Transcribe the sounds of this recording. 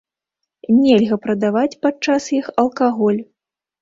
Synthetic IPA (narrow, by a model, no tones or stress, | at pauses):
nʲɛlʲɣɐpɾɐd̪avat͡sʲpat͡ʂasjixɐlˠkaɣɔlʲ